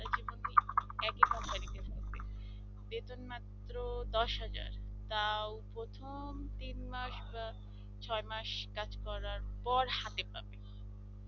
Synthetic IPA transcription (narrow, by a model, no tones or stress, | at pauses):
ad͡ʑiboniɛkekambanit̪eɾʱat̪ḛ | bet̪onmat̪ːɾod̪ɔʃɦad͡ʑa̰ɾ | t̪awpɾot̪ʰomt̪inmaʃba | t͡ɕʰɔemaʃkad͡ʑkɔɾaɾpɔɾhat̪epa̰be